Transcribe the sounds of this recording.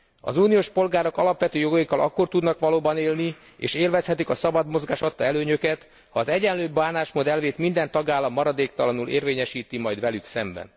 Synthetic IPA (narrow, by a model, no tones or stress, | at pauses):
ɒ̰zuːnijoːʃpo̞lɡaːɾokɒlɒpʋɛt̪øːjo̞ɡɒjikːɒlʔɒ̰kːo̞rt̪ud̪nɒkʋɒloːbɒneːlni | ḛːʃeːlvɛshɛt̪ikɒsɒbɒd̪mo̞zɡaːʃɒt̪ːɒɛløːɲø̞kɛt̪ | hɒːzɛɟɛnløːbaːnaːʃmod̪ɛlveːt̪mind̪ɛnt̪ɒɡaːlːɒmːɒɾɒd̪eːkt̪ɒlɒnulʔḛːrveːɲɛʃiːt̪imɒjd̪ʋvɛlyksɛmbɛ̰n